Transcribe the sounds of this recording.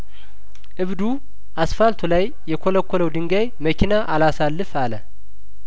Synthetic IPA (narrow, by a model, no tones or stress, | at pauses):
ʔɨβd̪u | ʔasfalt̪ʰulajːɛkʰoləkʰʷːoləwd̪ɨŋɡajməkʰinaʔalasalːɨfalə